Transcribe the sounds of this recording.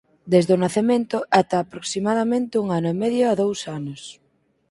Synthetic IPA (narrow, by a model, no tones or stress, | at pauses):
d̪ezðʊnaθemẽnt̪ʊʔat̪aːpɾoksimaðamẽnt̪ɪuŋanʊemeðjoaðowsanʊs